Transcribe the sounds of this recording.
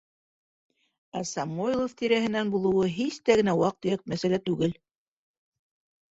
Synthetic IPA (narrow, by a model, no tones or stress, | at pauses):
æsɑmoilˠoft̪iɾæɦɘ̆nænbulˠɤ̆wɤɦist̪æɡɘ̆næwɑq̚t̪ɤ̆jɤq̚mæsælæt̪ʉɡɘl